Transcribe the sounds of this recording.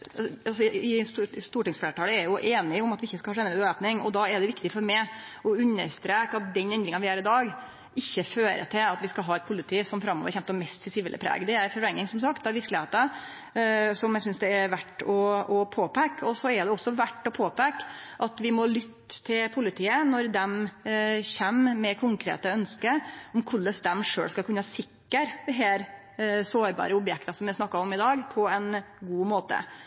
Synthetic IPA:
ɑlsɔɪsst̪uːʈɪŋsfleːʈʰɑːləæɾjʊʔeːnɪʊmɑt̪ʋɪɪçːəskɑhɑʃɛnːəøːpnɪŋɔ̰d̪ɑɛɖ̪ɛʋɪkt̪ɪfɔɾmɛɪɔʉnːəɾst̪ɾeːkɑt̪̚d̪ɛnɛnd̪ɾɪŋɑʋɪhæːɾɪd̪ɑːɡ | ɪçːəføːɾə̰t̪ʰɪlɑt̪ʋɪskɑlɦɑːɛt̪̚pʰʊlːɪt̪ʰiːsɔmfɾɑmːo̰ʋəɾçɛmpt̪əmɛst̪ʰɪsɪʋiːlʔə̰pʰɾæ̰ːɡd̪ɛæɾfɔɾɛŋːɪŋsɔms̬ɑkt̪ɑʋɪɾklɪheːt̪ə | sɔmjæsʏnsd̪ɛæɾʋæʈːɔɔpʰoːpʰækːɔsɔɛd̪ɛɔsːɔʋæʈːɔpʰoːpækːʔɑt̪ʋɪmɔlʏt̪ːt̪ʰːɪlpʰʊlɪt̪ʰiːənɔɾd̪ɛm | çɛmːmɛkʰʊŋkʰɾḛːt̪əœnskəɔmkʰʊɭːəsd̪ɛmʂø̰ːlskɑlkʰʉnːəɑsɪkːəɾd̪̥ɛɦæːɾ | soːɾbɑ̰ːɾəʊpjɛkt̪ɑsɔmʋɪsnɑkːɑɔmɪd̪ɑːɡpʰɔɛnɡuːmoːt̪ə̰

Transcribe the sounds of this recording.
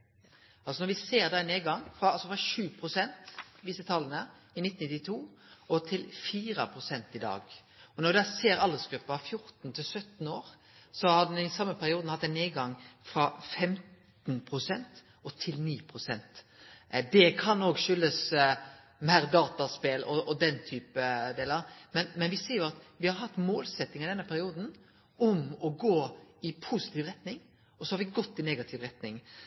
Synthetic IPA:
ʔɑlsɔnɔɾʋɪseːɾd̪ɛneːɡɑŋfɾɑɑlsɔfɾɑʃʉːpʰɾʊsɛnt̪ʋ̪iːsət̪ʰɑlənə | ɪnɪt̪n̩ɪt̪ːɪt̪ʰuːɔt̪ʰɪlfiːɾɑpʰɾʊsɛnt̪ɪd̪ɑ̰ːɡ | ɔnɔɾd̪æseːɾɑlːəsɡ̥ɾʉpːəɑfjʊɾt̪n̩t̪ʰɪlsœt̪n̩oːɾ | sɔhɑd̪ɛɪsɑmːəpʰæɾɪuːd̪n̩hɑt̪ːæɪneːɡɑŋfɾɑfɛmt̪ | npʰɾʊsɛnt̪ | ɔt̪ʰɪlniːpʰɾʊsɛnt̪ | d̪ɛkʰɑnːoːɡʃʏlːəs | mæːɾd̪ɑːt̪ɑspelɔʔɔd̪ɛnt̪ʰyːpəd̪eːləɾmɛnmɛnʋɪseːɾjʊɑt̪ʋɪhɑɾɦɑt̪ːmoːlsɛt̪ːɪŋɪd̪ɛnːəpʰæɾɪuːd̪n̩ | ɔmɔɡoːɪpʰusɪ̥t̪ʰiːʋɾɛt̪nɪŋ | ɔsɔhɑɾʋɪɡɔt̪ːɪneːɡɑt̪ʰɪʋɾɛt̪nɪŋ

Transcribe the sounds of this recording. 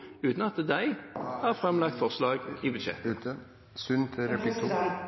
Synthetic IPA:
ʉːt̪n̩ɑt̪d̪æɪhɑːʁfʁɛmlɑk̚t̪fɔʁslɑːɡiːbʉd̪ʃɛ̰t̪ʉt̪ʰə | sʉnt̪ʰɪɾɛpʰlɪkt̪ʰu

